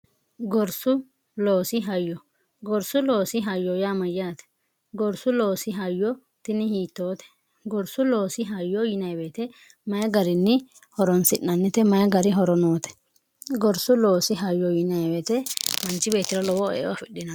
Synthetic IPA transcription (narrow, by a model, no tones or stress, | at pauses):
ɡɔɾsʊ | loːsɪɦɐjːɔ | ɡɔɾsʊlo̞ːsɪɦɐjːɔjaːmɐjːaːt̪ɛ̥ | ɡɔɾsʊlo̞ːsɪɦɐjːɔ | t̪ɪnɪhiːt̪ːoːt̪ɛ̥ | ɡɔɾsʊlo̞ːsɪɦɐjːɔjɪnɐjbeːt̪ɛ | mɐjɐɡɐɾɪnːɪ | hɔɾɔnsɪnːɐnːɪt̪ɛmɐjɐɡɐɾɪɦɔɾɔnoːt̪ɛ̥ | ɡɔɾsʊlo̞ːsɪɦɐjːɔjɪnɐjbeːt̪ɛmɐnt͡ʃːɪbe̞ːt̪ːɪɾɔlɔwɔḛːwɐfɪɗːɪnɐ